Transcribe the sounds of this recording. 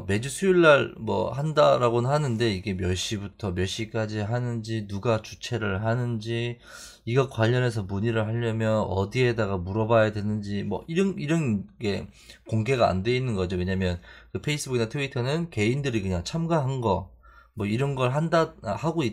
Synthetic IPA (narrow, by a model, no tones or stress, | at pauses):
me̞d͡ʑusʰuiɭːaɭmwʌ̰handaɾaɡonɯnɦanɯnde̞iɡe̞mjʌɭɕ͈ibutʰʌmjʌɭɕ͈ik͈ad͡ʑiɦanɯnd͡ʑinuɡat͡ɕu̥t͡ɕʰe̞ɾɯɭɦanɯnd͡ʑi | iɡʌkwaʎːʌne̞s̬ʰʌmuɲiɾɯɭɦaʎːʌmjʌnʌ̰die̞daɡamuɾʌbajadwe̞nɯnd͡ʑimwʌ̰iɾʌniɾʌnke̞ | koŋɡe̞ɡaa̰nde̞inːɯnɡʌd͡ʑowe̞ɲamjʌnkɯpʰe̞is͈ʰɯbuɡinatʰɯitʰʌnɯnke̞indɯɾikɯɲaŋt͡ɕʰamɡaɦanɡʌ | mwʌiɾʌnɡʌɭɦandahaɡoi